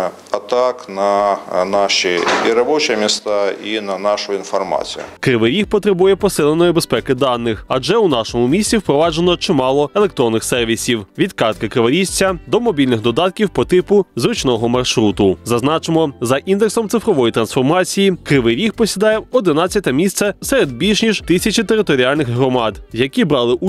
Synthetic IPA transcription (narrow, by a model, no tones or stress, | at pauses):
ɐt̪ɑknɐnɑʃiiɾɐbɔt͡ʃɛmʲist̪ɑinɐnɑʃʊinfɐrmɑ̰t͡sʲḭjʊ̰kɾɪʋɪʋʲihpɔt̪ɾɪbujɛpɔsɪlˠenɔjibespɛkɪd̪ɑnːɪxɐd͡ʒɛunɑʃɔmʊmʲisʲt͡sʲiwpɾɔʋɑd͡ʒenɔt͡ʃɪmɑlˠɔele̞k̚t̪ɾɔnːɪxsɛrʋʲisʲiwʋʲid̪kɑrt̪̚kɐkɾɪʋɐɾʲisʲt͡sʲːɐd̪ɔmɔbʲilʲnɪxd̪ɔd̪ɑt̪̚kʲiwpɔt̪ɪpʊzɾʊt͡ʃnɔɦɔmɐrʃɾut̪ʊzɐznɑt͡ʃemɔzɐʔind̪eksɔmt̪sɪfɾɔʋɔjit̪ɾɐnsfɔrmɑt͡sʲijikɾɪʋɪʋʲixpɔsʲid̪ɑjɛɔd̪ɪnɑt͡sʲːɐt̪ʲɐmʲist̪sɛseɾed̪̚bʲilʲʃnʲiʃt̪ɪsʲɐt͡ʃit̪eɾɪt̪ɔɾʲiɑlʲnɪxɦɾɔmɑd̪jɐkʲibɾɑlˠɪʔu